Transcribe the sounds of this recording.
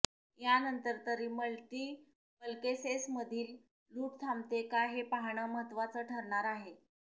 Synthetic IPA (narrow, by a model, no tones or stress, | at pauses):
janənt̪əɾt̪əɾiːməɭʈ̪iː | pəlkesesməd̪ʱiːl | luːʈt̪ʰamt̪ekaɦepaɦɳəməɦət̪ʋat͡səːʈʰəɾɳaɾaɦe